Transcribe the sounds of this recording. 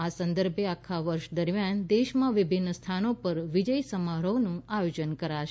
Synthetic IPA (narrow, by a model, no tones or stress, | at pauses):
asə̃nd̪əɾbʱeakʰaʋəɾʃd̪əɾmjand̪eʃmãʋɪbʱɪnːəst̪ʰanopəɾʋid͡ʒəjsəmaɾəʋnũajod͡ʒənkəɾaʃ